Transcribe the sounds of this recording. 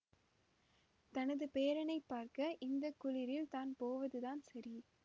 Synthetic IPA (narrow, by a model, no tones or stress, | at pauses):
t̪ɐnɐðɯpeːɾɐnɐɪpːaːɾkɐʔɪnd̪ɐkːʊlɪɾɪlt̪aːnpoːʋɐðɯðaːnsɐɾi